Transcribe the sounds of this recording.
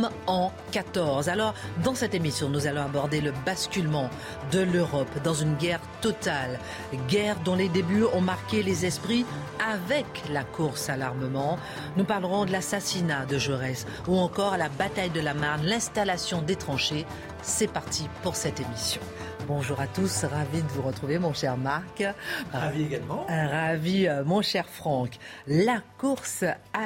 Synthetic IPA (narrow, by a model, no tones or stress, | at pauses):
ɑ̃ | kat̪ɔʁzalɔʁd̪ɑ̃sɛt̪emisjɔ̃nuzalɔ̃abɔʁd̪eləbaskʲylmɑ̃ | d̪əløʁɔpd̪ɑ̃zynɡʲɛʁt̪ɔt̪al | ɡʲɛʁd̪ɔ̃led̪ebyɔ̃maʁkʲelezɛspχi | avɛklakʰuʁsalaʁməmɑ̃ | nupaʁlʁɔ̃d̪əlasasinad̪əʒøʁɛs | uɑ̃kɔʁalabat̪ajd̪əlamaʁnlɛ̃st̪alasjɔ̃d̪et̪χɑ̃ʃe | sɛpaʁt̪ʰipuʁsɛt̪emisjɔ̃ | bɔ̃ʒuʁat̪usʁavid̪əvuʁət̪χuvemɔ̃ʃɛʁmaʁkavieɡalmɑ̃ʁavimɔ̃ʃɛʁfχɑ̃klakuʁsa